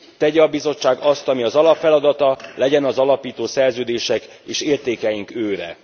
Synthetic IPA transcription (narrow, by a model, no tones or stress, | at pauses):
t̪ɛɟɛɒbizo̞t͡ʃːaːɡɒst̪ɒmiɒzɒlɒpfɛlɒd̪ɒt̪ɒlɛɟɛnɒzɒlɒpiːt̪oːsɛrzøːd̪eːʃɛk | eːʃeːrt̪eːkɛjiŋkøːɾɛ̰